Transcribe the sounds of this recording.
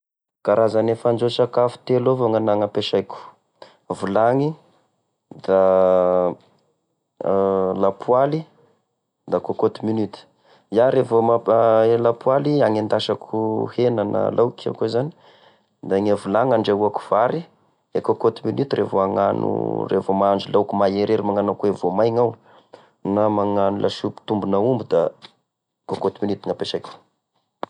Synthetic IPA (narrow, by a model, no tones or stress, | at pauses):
ɡ̥aɾazanefand͡ʒosakafu̥t̪elovoŋanaŋapeʃajkʲu̥ | vulaŋi | d̪a | lapʰwali | d̪akakot̪iminyt̪i̥ | jaɾevomaelapwaliaŋend̪aʃakʰuhenana̰lawka̰kozani̥ | d̪aŋavulaŋaɳɖ͡ʐeuaku̥v̥aɾi | ekokot̪iminyt̪irʔevoaŋanṵrevomaaɳd͡ʒilawkumajeɾeɾimaŋanakuevomajŋaw | namaŋanulʔa̰ʃupi̥t̪umbunaumbud̪a | kokot̪iminyt̪iŋapeʃajkʲu̥